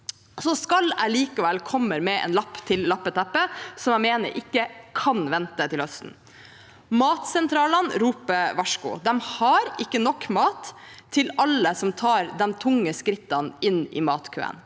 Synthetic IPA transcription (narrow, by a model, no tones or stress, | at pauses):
sɔskɑlæɪliːkəʋɛlkʰɔmːəɾmɛʔɛ̰ːnlɑpːt̪ʰɪllɑpːət̪ʰɛpːəsɔmjæɪmeːnə̰ɾʔɪkːəkʰɑnʋɛnt̪ət̪ʰɪlhœst̪n̩ | mɑːt̪sɛnt̪ʰɾɑːlɑnɾuːpəʋɑʂkʊ̰d̪ɛmhɑɾɪkːənɔkːmɑːt̪ʰː | ɪlɑləsɔmt̪ʰɑːɾd̪ɛnt̪ʰʊŋːəskɾɪt̪ːɑnɪnɪ̰ːmɑːt̪kʰø̰ːə̰n